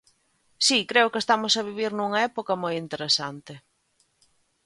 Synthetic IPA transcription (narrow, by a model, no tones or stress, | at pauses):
sikɾeʊkest̪amʊsaβ̞iβ̞iɾnuŋɐɛpokɐmojint̪eɾesant̪ɪ